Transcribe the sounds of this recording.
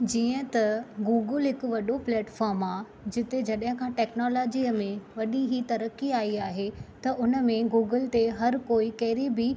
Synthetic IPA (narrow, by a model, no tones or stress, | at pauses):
d͡ʑiːə̃t̪ɐɡuːɡəlɦɪkʊ̆ʋɐɗoplɛːʈfaːɾmaː | d͡ʑɪt̪ed͡ʑɐɗɦɪ̃kʰãːʈɛːknɔːlɔːd͡ʑiːəmẽʋɐɗiɦit̪ɐɾəkiaːiaːɦet̪ɐʔʊnə̆mẽɡuːɡəlt̪eɦɐɾkoːikɐɦɾibɪ